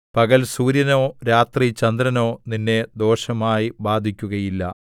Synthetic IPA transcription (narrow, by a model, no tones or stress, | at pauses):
pɐɣɐlsuːɾjɐno̞ːɾaːt̪rit͡ɕɐnd̪ɾɐno̞ːninːe̞d̪o̞ːʂɐmaːjibaːd̪ʱikʲːuɣɐjilːɐ̰